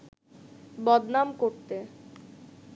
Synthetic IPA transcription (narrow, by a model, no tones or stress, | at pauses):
bɔd̪namkoɾt̪e